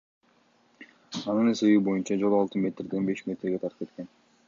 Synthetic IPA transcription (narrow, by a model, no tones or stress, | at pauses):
ɑnɯne̞se̞βibo̞junt͡ʃɑd͡ʒo̞lˠɑlˠt̪ɯmʲe̞t̪rd̪enbe̞ʃmʲe̞t̪rɡe̞t̪ʰɑɾt̪ɯpke̞t̪̚ke̞n